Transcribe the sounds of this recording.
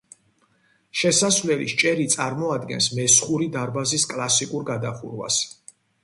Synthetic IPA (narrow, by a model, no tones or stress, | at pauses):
ʃɛsasvlɛlḭʃt͡ʃʼɛɾit̪sʼaɾmɔad̪ɡɛ̰nsmɛsχuɾid̪aɾbaziskʼlˠasikʼuɾɡad̪aχṵɾwa̰s